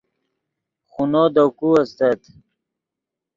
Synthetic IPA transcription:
xunod̪okuɐst̪at̪

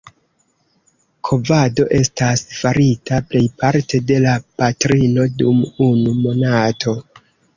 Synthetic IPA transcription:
kʰo̞vado̞ʔe̞stasfaɾitaple̞jpaɾtʰe̞de̞lapatɾino̞dumunumo̞natʰo̞

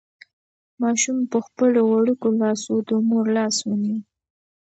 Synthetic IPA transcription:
mɑʃumpəxpəloɣaɽukolɑsod̪əmuɾlɑswuni

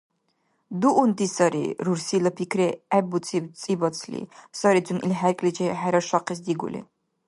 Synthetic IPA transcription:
d̪uʔːnd̪isɐɾḭɾuɾsilɐpʰikʰɾɛæbut͡sʰib̪t͡sʼibɔt͡sʰlḭsɔɾid͡zʰunḭlħæɾkʼlid͡ʒɛħæɾɐʃaqʰɛs̬d̪iɡṵlḭ

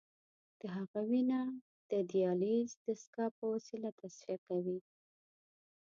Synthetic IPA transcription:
d̪̥əɦaɣawinɑ | d̪̥əd̪ijɑlizd̪əskɑpəwasilat̪asfiakawi

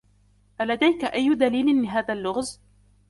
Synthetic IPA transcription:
ʔalad̪ajkaʔajːʊd̪aliːlɪnlɪɦaːðalːʊɣz

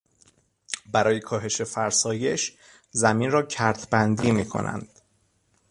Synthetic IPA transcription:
bæɾɒːje̞kʰɒːɦe̞ʃe̞fæɾsɒːjeʃ | zæminrɒːcʰæɾt̪ʰbænd̪iːmiːkʰo̰nʔæ̰nd̪̥

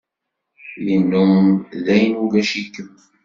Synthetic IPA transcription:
jənːʊðæjnuɡæʃikːəm

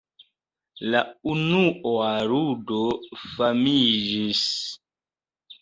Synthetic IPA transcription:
launuʔoaɾudofamid͡ʒis

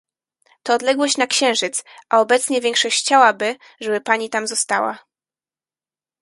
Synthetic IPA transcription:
t̪ɔːd̪lɛɡwɔɕt͡ɕnakɕɛ̃w̃ʐɘt̪sʔaɔbɛt̪sɲɛvʲjɛ̃ŋkʂɔɕt͡ɕt͡ɕawabɘ | ʐɛbɘpaɲit̪amzɔst̪awa̰

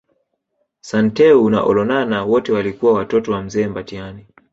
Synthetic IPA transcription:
santɛuna̰ʔɔlɔnanawɔtɛwalikuwawatɔtɔwam̩zɛːmbatiani

